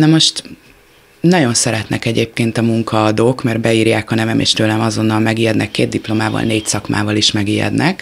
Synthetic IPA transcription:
nɒmo̞ʃt̪ | nɒɟo̞nsɛɾɛt̪nɛkɛɟeːp̚keːnt̪ɒmuŋkʰɒːd̪oːkmɛrbɛiːrjaːkɒnɛvɛmḛːʃt̪øːlɛmɒzo̞nːɒlmɛɡijɛd̪nʔɛkːeːd̪̚d̪iplo̞maːvɒ̰lneːcsɒkma̰ːvɒliʃmɛɡijɛ̰d̪nɛk

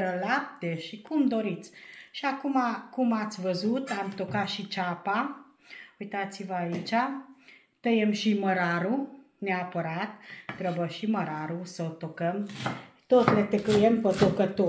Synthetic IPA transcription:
ɾəlap̚t̪eʃikumd̪o̞ɾit̪sʲʃiakumakumat̪sʲvəzut̪amt̪okat̪ʃit͡ʃapa | ujt̪at̪sivəait͡ʃa | t̪əjemʃiməɾaɾu | neapəɾat̪̚ːɾəbəʃiməɾaɾusəot̪okəm | t̪ot̪let̪ekəjempət̪okət̪o

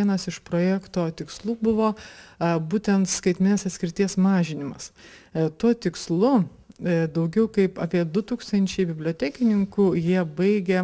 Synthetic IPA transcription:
iɛnɐsɪʃpɾoːjækt̪oːt̪ʲɪkslˠuːbʊʋoː | buːt̪ʲɛnt̪skɐɪt̪ʲmʲɪnʲɪsɐt̪sʲkʲɪɾʲɪt̪ʲiɛsmɑːʒʲɪnʲɪmɐst̪uɔt̪ʲɪkslˠʊ | d̪ɐʊɡʲɛʊkɐɪpɑːpʲiɛd̪ʊt̪uːkst̪ɐnʲt͡ʃʲɛɪbʲɪbʲlʲoːt̪ʲæːkʲɪnʲɪŋkuːjiɛbɐɪɡʲɛ

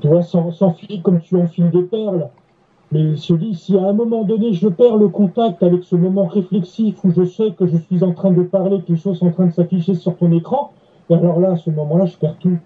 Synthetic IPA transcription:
t̪yvwasɑ̃sɑ̃fiʒikɔmt̪yɑ̃fild̪epɛʁl | mɛʒəd̪isiaɛ̃mɔmɑ̃d̪ɔneʒəpɛʁləkɔ̃t̪ak̚t̪avɛksəmɔmɑ̃ʁeflɛksifuʒəswɛkəʒəsɥizɑ̃t̪χɛ̃d̪əpaʁlekəleʃozsɑ̃t̪χɛ̃d̪əsafiʃesyʁt̪ɔ̃nekχɑ̃ | ealɔʁlaːsəmɔmɑ̃laʒəpɛʁt̪u

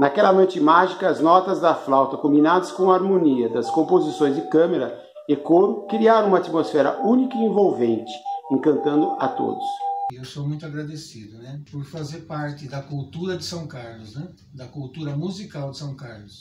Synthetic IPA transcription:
nɐkɛlɐmɐ̃t͡ʃɪmaʒikɐːznɔt̪ɐzd̪ɐflawt̪ɐkõmbinad̪ɐskõw̃ɐaɾmõniɐd̪ɐskõmpozisõj̃zd͡ʒɪkɐ̃meɾɐ | ekoɾʊkɾiaɾ̃ũmɐat̪imosfɛɾɐ̰ʔũnikɐiẽvowvẽnt͡ʃɪ̥ẽŋkɐ̃nt̪ɐ̃nd̪ʊɐt̪o̰d̪ʊsewsomũj̃t̪ʊaɡɾad̪esid̪ʊnɛpoɾfazeɾpaɾt̪ɪd̪ɐkult̪uɾɐd̪ɪsɐ̃w̃kaɾlʊznɛ | d̪ɐkuwt̪uɾɐmuzikawd̪ɪsɐ̃w̃kaɾlʊs

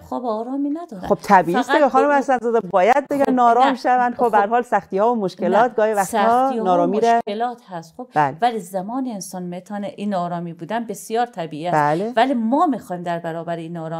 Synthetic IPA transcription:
xoːbeɒːɾɒːminæd̪ɒːɾæ̰xob̥̚t̪ʰæbiːiːsɡæxɒːnumæsænzɒːd̪æbɒːjæd̪̚beɡʲænɒːɾɒːmʃævænd̪xobbææɾhɒːlsæxt̪iːhɒːvomoʃkelɒːt̪ɡɒːhivæxt̪hɒnɒːɾɒːmiːɾæelɒːt̪ʰhæst̪χob̥blevælizæmɒːneensɒnmet̪ʰɒːneʔinɒːɾɒːmiːbuːd̪ænbesijɒːɾt̪ʰæbiːiːæælevælimɒːmixɒːjmd̪æɾbæɾɒːbæɾeinːɒːɾɔː

